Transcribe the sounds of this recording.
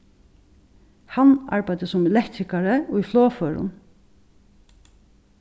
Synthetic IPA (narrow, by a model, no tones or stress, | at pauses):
hana̰ɹpæjt̪əsɔmɪlɛkt̪ɾɪkaɾəʊjfloːfœːɹʊ̰n